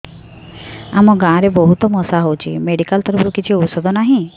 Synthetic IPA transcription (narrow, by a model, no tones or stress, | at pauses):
amɔɡãɾebɔɦut̪ɔmɔsaɦowt͡ʃʰḭmeɖikalt̪ɔɾpɔɾukit͡ʃʰiɔpsɔd̪ʱɔnaɦĩ